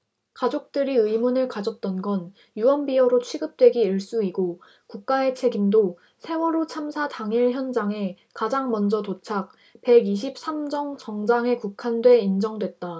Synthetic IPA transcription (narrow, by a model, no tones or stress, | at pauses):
kad͡ʑok̚t͈ɯɾiɯjmunɯɭkad͡ʑʌt̚t͈ʌnɡʌn | juwʌnbiʌɾot͡ɕʰɥiɡɯp̚t͈we̞ɡiiɭs͈uiɡo | kuk̚k͈ae̞t͡ɕʰe̞ɡindo | sʰe̞wʌɾot͡ɕʰamsʰataŋiɭçjʌnd͡ʑaŋe̞ | kad͡ʑaŋmʌnd͡ʑʌtot͡ɕʰak̚ | pe̞ɡiɕ̬ʰip̚s͈amd͡ʑʌŋt͡ɕʌŋd͡ʑaŋe̞kukʰandwe̞ind͡ʑʌŋdwe̞t̚t͈a